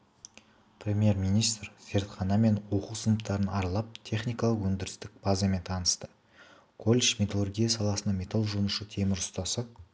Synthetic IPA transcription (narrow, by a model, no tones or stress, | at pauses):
prʲemʲije̞ɾmʲijnijst̪rse̞ɾt̪χɑnɑme̞nwo̞qusənəpt̪ɑɾənɑɾlˠɑp̚t̪ʲʰe̞χnijkɑlˠəqwɵnd̪ɪɾɪst̪ɪk̚b̥azɑme̞nt̪ʰɑnəst̪ə̥ | kʰolʲeʃmʲe̞t̪alˠorɡʲijasɑlˠɑsənɑmʲe̞t̪alˠʒunuʃət̪ʰe̞mɪɾʊst̪ɑsəq̚